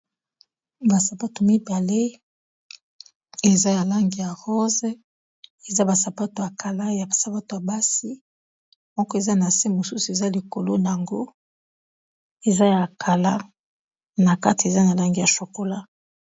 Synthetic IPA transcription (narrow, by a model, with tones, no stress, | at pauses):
ba˨sa˨pa˦to˨mi˦ba˨le˦ | e˨za˦ja˨la˦ŋɡi˨ja˨ʁɔ˦ze˦ | e˨za˦ba˨sa˨pa˦to˨a˨kʰa˨la˦ja˨a˨sa˨pa˦to˨ja˨ba˦si˦ | mɔ˦kɔ˦e˨za˦na˨se˦mo˨su˦su˨e˨za˦li˨ko˨lo˦na˨a˨ŋɡo˦ | e˨za˦ja˨kʰa˨la˦ | na˨ka˦ti˨e˨za˦na˨la˦ŋɡi˨ja˨ʃo˨ko˨la˦